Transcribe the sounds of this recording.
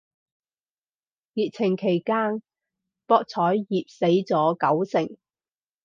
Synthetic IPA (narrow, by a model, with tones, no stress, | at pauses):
jiː˨t̚t͡sʰɪ˨˩ŋkʰe˨˩jkaː˥n | pɔː˧k̚t͡sʰɔː˨˥jːiː˨p̚se˨˥jt͡sɔː˨˥kɐ˨˥wsɪ˨˩ŋ